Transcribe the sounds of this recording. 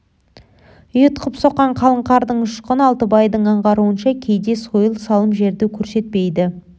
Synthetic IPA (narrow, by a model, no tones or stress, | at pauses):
ʏjət̪qʰəpso̞qːɑɴqʰɑlˠəɴqɑɾd̪əɴʊʃqənɑlˠt̪əbɑjd̪əɴɑɴʁɑɾuənʃɑkʲʰe̞jd̪e̞so̞jəlˠsɑlˠəmʒe̞ɾd̪ekʲʰɵɾse̞t̪̚pejd̪ɪ